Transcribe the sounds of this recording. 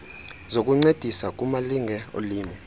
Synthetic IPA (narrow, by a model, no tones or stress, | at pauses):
zokʼuŋ͡ǀed̥ʱisakʼumaliŋʱɛo̰liːmɛ